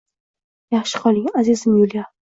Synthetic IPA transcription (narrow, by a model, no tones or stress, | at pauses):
jaχʃɪ̥qʰɒlˠɪŋazizɪmjʊlja